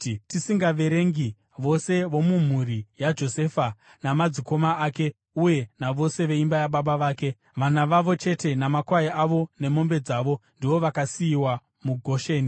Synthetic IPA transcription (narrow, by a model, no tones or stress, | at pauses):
tisiŋɡaʋe̞ɾe̞ŋɡi | ʋo̞se̞ʋo̞mum̤urijad͡ʒo̞se̞fa | namad͡ziko̞maaːke̞ | uje̞naʋo̞se̞ʋe̞imbajaɓaɓaʋaːke̞ | ʋanaʋaʋo̞t͡ʃe̞te̞namakwaiʔaʋo̞ne̞mo̞mbe̞d͡zaːʋo̞ndiʋoʋakasiːwa | muɡʱo̞ʃe̞ːni